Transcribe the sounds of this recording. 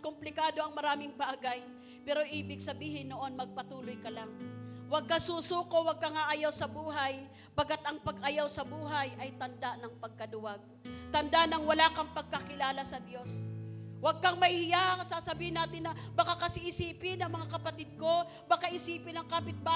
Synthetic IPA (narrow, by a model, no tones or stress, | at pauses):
kʊmplɪkaːd̪o̞ɐŋmɐɾaːmɪŋbaːɡaj | pɛːɾo̞ʔiːbɪɡsɐbiːɦɪnːoʔo̞nmɐɡ̚pɐt̪uːlojkɐlaŋwɐɡ̚kasuːsuːkowɐɡ̚kɐŋaʔajawsɐbuːɦaj | bɐɡat̪ɐŋpɐɡʔajawsɐbuːɦajʔɐjt̪ɐnd̪aʔnɐŋpɐɡ̚kɐd̪ʊwaɡ̚t̪ɐnd̪anɐŋwɐlaːkɐŋpɐɡ̚kɐkɪlaːlasɐd̪jo̞swɐɡ̚kɐŋmɐjhɪjasasɐbiːhɪnaːt̪ɪnːɐbɐkakɐsɪʔɪsiːpɪnːɐŋmɐŋakɐpɐt̪ɪd̪̚ko̞ | bakaʔɪsiːpɪnɐŋkaːpɪt̪̚ba